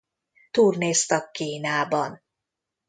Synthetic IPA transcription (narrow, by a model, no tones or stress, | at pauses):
t̪uːrneːst̪ɒkːiːnaːbɒn